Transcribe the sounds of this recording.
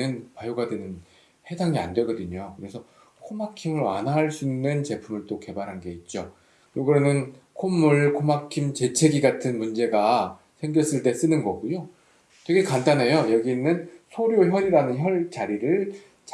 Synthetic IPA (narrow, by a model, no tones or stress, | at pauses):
ɯnpajoɡadwe̞nɯn | he̞daŋia̰ndwe̞ɡʌdɯɲokɯɾe̞sʰʌ | kʰomakʰimɯɭwa̰nɦaɦːɭs͈uinːɯnt͡ɕe̞pʰumɯɭt͈oke̞baɾɦanɡe̞it̚t͡ɕ͈o | joɡɯɾʌnɯnkʰomːuɭkʰomakʰimt͡ɕe̞t͡ɕʰe̞ɡiɡatʰɯnmund͡ʑe̞ɡa | sʰeŋɡjʌs͈ɯɭt͈e̞s͈ɯnɯnɡʌɡujo | tweɡekant͈anejojʌɡiːnːɯnsʰoɾjoçjʌɾiɾanɯnçjʌɭt͡ɕaɾiɾɯɭ | t͡ɕ